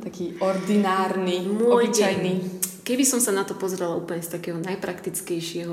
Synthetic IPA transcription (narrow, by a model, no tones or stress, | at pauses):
t̪akiːɔɾd̪inaːɾnimʊɔjajnikɛbisɔmsanat̪ɔpɔzɛɾɛlauːpl̩ɲɛst̪akɛːɦɔnajpɾakt̪it͡skɛjʃɪɛɦɔ